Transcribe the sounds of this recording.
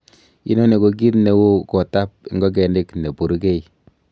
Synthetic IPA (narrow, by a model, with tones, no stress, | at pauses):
ḭ˦nɔ˦ne˨ko˨k̬i˦tne˨wo˦kɔ˨ta˦p̚i˨˦ŋɡɔ˦k̬ɛ˨nde˦kne˨po˨ɾo˦ke˦i˨